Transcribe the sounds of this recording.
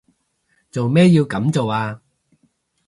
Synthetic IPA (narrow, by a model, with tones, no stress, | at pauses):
t͡so˨wmɛː˥jiː˧wkɐ˨˥mt͡so˨waː˧